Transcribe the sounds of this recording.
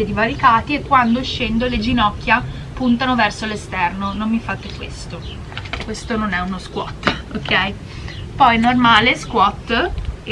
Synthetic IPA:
ed̪ivaɾikaːt̪iekːwand̪oʃːend̪oled͡ʒinɔkːja | punt̪anovɛrsolest̪ɛrnonomːifat̪ekwḛst̪o | kwest̪ononɛunoskwɔ̰t̪ːokʰːɛj | pɔjnormaːleskwɔt̪ː

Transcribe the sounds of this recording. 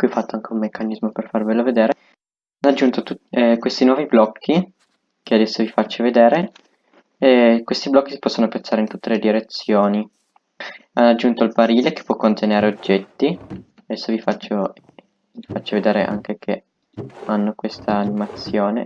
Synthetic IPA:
kwiɔfːat̪ːoaŋk̟ʰeummːekːanizmoperfarveloved̪eːɾe | anːad͡ʒːunt̪ot̪ukwest̪inwɔːviblɔkʰːi | kead̪ɛsːovifat͡ʃːoved̪eːɾe | kwest̪iblɔkːisi̥pɔsːonopet̪sːaːɾeint̪ut̪ːeled̪iɾet̪sːjoːni | anːad͡ʒːunt̪oilpaɾiːleke̥pːwɔkːont̪eneːɾeod͡ʒːɛt̪ːi | ad̪ɛsːovifat͡ʃːo | vifat͡ʃːoved̪eːɾeʔa̰ŋk̟ekʰe | anːokwest̪ʰaːnimat̪sjoːne

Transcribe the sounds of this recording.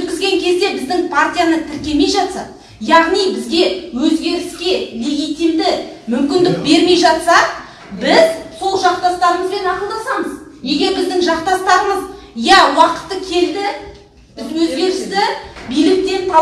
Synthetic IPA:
ɵt̪kʲɪzɡʲe̞ŋkʲʰe̞zd̪e̞bɪzd̪ɪŋpʰart̪ʲijanət̪ʰɪɾkʲe̞me̞jʒɑt̪sɑ̰ | jɑʁnijbɪzɡʲe̞wɵzɡʲe̞ɾɪskʲe̞le̞ɡʲijt̪ʲimd̪ɪmʏmkʲɪnd̪ɪk̚be̞ɾme̞jʒɑt̪sɑ | bɪzso̞lˠʒɑq̚t̪ɑst̪ɑɾəməzbe̞nɑqəlˠd̪ɑsɑməzne̞ɡʲe̞ɾbɪzd̪ɪŋʒɑqt̪ɑst̪ɑɾəməz | jæwɑqə̥t̪ːəkʲʰe̞ld̪ɪ | bɪzwɵzɡʲe̞ɾɪst̪ɪbijlɪk̚t̪e̞t̪ʰɑ

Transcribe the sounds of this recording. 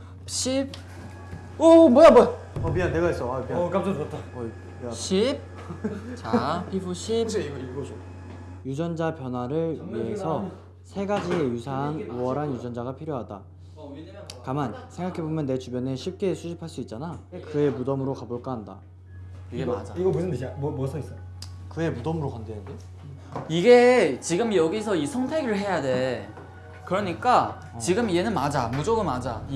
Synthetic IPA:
ɕʰip̚ | ʌmʌjamʌ | ʌbianne̞ɡais͈ʌapiak͈amd͡ʑ͈ʌd͡ʑʌt̚t͈aʌ | ɕʰip̚ | t͡ɕapibuɕʰip | jud͡ʑʌnd͡ʑapjʌnɦwaɾɯɭɥiɦe̞sʰʌ | sʰe̞ɡad͡ʑiejusʰaɦnuwʌɾɦanjud͡ʑʌnd͡ʑaɡapʰiɾjoɦada | kamansʰe̞ŋɡakʰe̞bomjʌnːe̞t͡ɕubjʌneɕʰip̚k͈e̞sʰuɕʰipʰaɭs͈uit̚t͡ɕ͈anakɯe̞mudʌmɯɾokaboɭk͈ʌɦanda̰ | iɡea̰d͡ʑaiɡʌmusʰɯndeɕammʌsʰʌis͈ʌj | kɯe̞mudʌmɯɾokandeande | iɡe̞t͡ɕiɡɯmjʌɡisʰʌisʰʌŋtʰe̞ɡɯɭɦe̞jade̞ | kɯɾʌɲik͈a | t͡ɕiɡɯmie̞nɯnmad͡ʑamud͡ʑoɡɯmad͡ʑa

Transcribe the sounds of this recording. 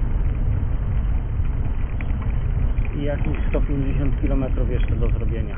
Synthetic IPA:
ijakʲiɕst̪ɔpʲjeɲd͡ʑeɕɔnt̪kʲilɔmɛt̪ɾufjɛʂt͡ʂɛd̪ɔzɾɔbʲjeɲa

